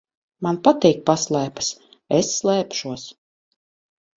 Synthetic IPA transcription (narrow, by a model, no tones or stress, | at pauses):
manpat̪iːk̚paslˠæːpḁs | esːlˠɛːpʃuɔs